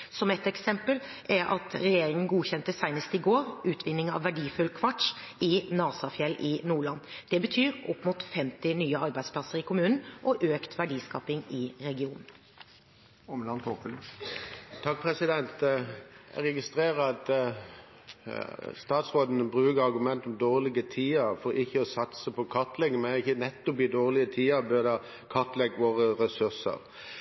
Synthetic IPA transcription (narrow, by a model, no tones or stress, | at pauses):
sɔmɛt̪ɛksɛmpəl | ʔɛɾʔɑ̰t̪ɾɛjeːɾɪŋənɡuːçɛnt̪əsæɪnəst̪əɪɡoːɾʔʉːt̪ʰʋɪnːɪŋɑ̰ʋːæɖiːfʉlkʰʋɑʈʂ | ɪnɑːsɑfjɛlːʔɪnuːɭɑnːd̪̥ɛbət̪ʰyːɾɔpːmʊt̪fɛmt̪ɪnyːəɑɾbæɪspʰlɑsəɾɪkʰʊmʉːnn̩ʔɔʔøːkt̪ʰʋæɖiːskɑ̰ːpɪŋɪɾɛɡɪuːnn̩ | ɔmlɑnt̪opəl | t̪ʰɑk̚pʰʁɛsɪd̪ɛnt̪ | ɛ̰ʁɛɡɪst̪ɾeːʁəɑt̪ | st̪ɑːt̪sʁoːd̪ən̩əbʁʉːkəɾɑʁɡʉmɛnt̪ɔmd̪oːʁlɪɡət̪ʰiːəɾfɔɾɪçːəɔsɑt̪səpʰɔkʰɑt̪lɛŋːəmæɪçənɛt̪ːɔpɪd̪oːʁlɪət̪ʰiːəbœd̪ɑ | kʰɑt̪lɛɡːʋoːʁəɾɛsʉʁsə̰ɾ